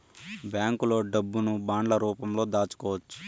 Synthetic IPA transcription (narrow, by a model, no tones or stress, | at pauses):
bjaːŋkulo̞ːɖɐbːunubaːɳɖlɐɾuːpɐmlo̞ːd̪aːt͡ʃu̥kɔːʋɐt͡ʃːu̥